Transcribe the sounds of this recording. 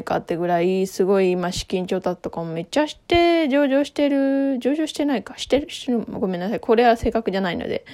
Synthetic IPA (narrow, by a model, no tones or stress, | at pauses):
ika̰t̪ːe̞ɡɯ̟ɾaisɨɡo̞iimaɕi̥kʲĩɲt͡ɕo̞ːt̪ḁt̪o̞kamome̞t͡ɕːaɕi̥t̪e̞d͡ʑo̞ːʑo̞ːɕi̥t̪e̞ɾɯ̟d͡ʑo̞ːʑo̞ːɕi̥t̪e̞naikḁɕi̥t̪e̞ɾɯɕi̥t̪eɾɯoɡo̞mẽ̞nːasaikʰo̞ɾe̞βase̞ːkakɯ̟ʑanaino̰d̪e̞̰